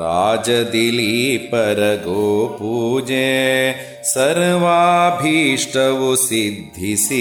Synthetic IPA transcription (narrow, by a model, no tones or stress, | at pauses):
ɾaːd͡ʒɐd̪ilipɐɾɐɡoːpuːd͡ʒeː | sɐɾʋaːbʱiːʂʈɐʋusid̪ʱːisi